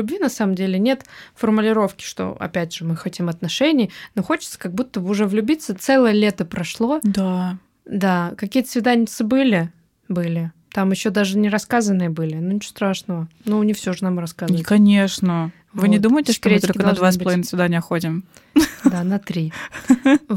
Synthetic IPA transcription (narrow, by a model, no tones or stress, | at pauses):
ʊbvʲinɐsaməmdʲelʲɪnʲe̞t̪fərmʊlʲɪɾo̞fkʲɪ̥ʂt̪o̞̰ɐ̰pʲædʲʐ̥ɨmɨxɐtʲimɐt̪nɐʂɛnʲɪjnoxo̞t͡ɕɪ̥t̪sə̥kɐɡ̚but̪ːəbɨʊʐɛvlʲʉbʲit̪sət̪sɛlˠəjəlʲe̞t̪əpɾɐʂlˠo̞d̪a | d̪akɐkʲijət̪svʲɪd̪anʲɪt̪səbɨlʲɪ | bɨlʲɪ | t̪amjɪɕːo̞d̪aʐɨnʲɪɾɐskazənːɨjəbɨlʲɪnunʲɪt͡ɕo̥st̪ɾaʂnəvənunʲɪfsʲo̞ʐɨnamɾɐskazkɐnʲeʂnə | vɨnʲɪd̪uməjɪtʲɪkɾet̪olʲɪkəd̪ɐd̪vassplˠɐvinəsvʲɪd̪anʲjəxot̬ʲɪm | d̪anɐt̪ɾʲi